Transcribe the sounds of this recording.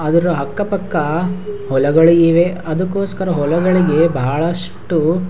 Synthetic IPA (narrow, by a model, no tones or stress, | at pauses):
ɐd̪ɐɾuɦɐkːɐpɐkːɐɦɔlɐɡɐɭiiʋe̞ɐd̪ɐkːoːskɐɾɐɦɔlɐɡɐɭiɡe̞bʱaːɭɐʂ | ʈu